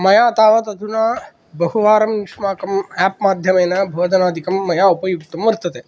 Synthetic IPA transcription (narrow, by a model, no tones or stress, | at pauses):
mɐjaːt̪aːʋɐt̪ɐt̪ʰunaː | bɐɦuʋaːɾɐmiʂmaːkɐmɛpmaːd̪ʱjɐmeːnabʱoːd̪ʱɐnaːd̪ʱikɐmːɐjaːupɐjuɡ̚t̪ɐmʋɐɾt̪ɐt̪eː